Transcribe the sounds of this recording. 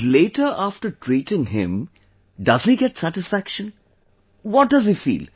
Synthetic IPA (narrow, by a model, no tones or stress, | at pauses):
leːʈəɾʔaːfʈəɾʈʰɾiːʈɪ̃ŋɦɪ̰̃m | ɖʌziɡɛʈsæʈɪsfækʃə̃n | wɔʈ̚ɖʌzifḭːl